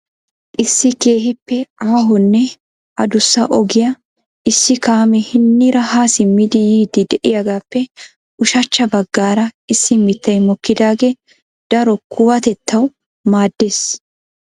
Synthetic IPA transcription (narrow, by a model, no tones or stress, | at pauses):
ʔʔɪsːɪke̞ːɦɪpːɛaːɦɔnːɛ | ʔɐd̪ʊsːɐʔɔɡɪjɐ | ʔɪsːɪkaːmɛhɪnːɪɾɐhaːsɪmɪd̪ɪjiːd̪ɪd̪ɛʔɪjɐɡaːpːɛ | ʊʃɐt͡ʃːɐbɐɡːaːɾɐɪsːɪmɪt̪ːɐjmɔkːɪd̪aːɡeː | d̪̥ɐɾɔkʊwɐt̪ɛt̪ʰːɐw | maːd̪ːeːs